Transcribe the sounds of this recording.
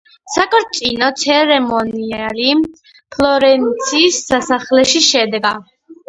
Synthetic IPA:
sakʼɔɾt̪sʼinɔt̪sʰɛɾɛmɔniali | pʰlˠɔɾɛnt̪sʰiːsːasaχlɛʃiʃɛd̪ɛɡa

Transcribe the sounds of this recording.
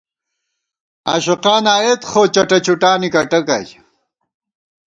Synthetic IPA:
a̰ːɕuqaːnaːet̪xoːt͡ɕɐʈɐt͡ɕuʈaːnikɐʈɐkɐ̰j

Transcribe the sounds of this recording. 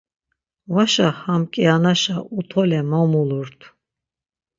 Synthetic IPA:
vaʃahamkʼianaʃaut̪ʰɔlɛmɔmuluɾt̪ʰ

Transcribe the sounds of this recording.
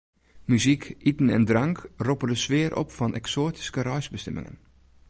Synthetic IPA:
myzikitən̩ɛ̰ndrɑŋkropərdəsʋɪəɾʔɔ̰pfɑnʔɛ̰ksoːti̥skəɾœɥzbəstɛmɪ̰ŋə̰n

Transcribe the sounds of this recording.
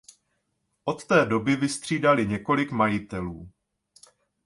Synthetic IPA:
ʔo̞t̪ːɛːdo̞bɪvɪst̪r̝̥iːdalɪɲɛko̞lɪkmajɪt̪ɛluː

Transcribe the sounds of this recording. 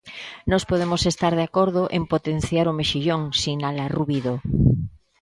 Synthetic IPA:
nospoð̞emosest̪aɾð̞eakoɾðoʔempot̪enθjaɾomeʃiʎoŋsinalaruβiðo

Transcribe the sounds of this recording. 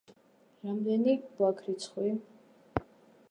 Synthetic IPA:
ɾamd̪ɛnib̥wakʰɾit̪sʰχwi

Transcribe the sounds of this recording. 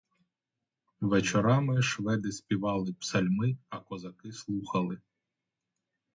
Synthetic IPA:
ʋet͡ʃɔɾɑmɪʃʋɛd̪ɪspʲiʋɑlˠɪpsɐlʲmɪɐkɔzɐkɪslˠuxɐlˠɪ

